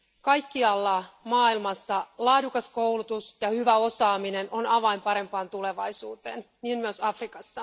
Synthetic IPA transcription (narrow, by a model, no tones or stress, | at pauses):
kɑjkːiɑlːɑmɑːilmɑsːɑlɑːdukɑskowlut̪usjɑhyʋæo̞sɑːmine̞no̞nɑʋɑimpɑɾe̞mpɑːnt̪ule̞ʋɑjsuːt̪e̞̰ːn | niːnmyøsɑfrikɑsːɑ